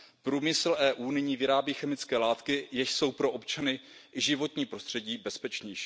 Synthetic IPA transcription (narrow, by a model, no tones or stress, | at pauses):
pɾuːmɪsl̩ʔɛːʔuːnɪɲiːvɪɾaːbiːxɛmɪt͡skɛːlaːt̪kɪjɛʃso̞wpɾo̞ʔopt͡ʃanɪ | ʔɪʒɪvo̞t̪ɲiːpɾo̞st̪r̝̥ɛɟiːbɛspɛt͡ʃɲɛjʃiː